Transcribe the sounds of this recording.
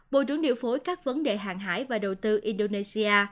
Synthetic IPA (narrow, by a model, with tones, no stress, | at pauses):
ɓo̰˧˨t͡ɕɨ̰˧˥əŋɗḭ˧˨wfo˨˦jkaː˦˥k̚və˨˦nɗe˨˩ɦa̰ː˨˩ŋɦa̰ː˧˥jvaː˨˩ɗə˨˩wt̪ɨ˧ʔi˧nɗo˧ne˧si˧ʔaː˧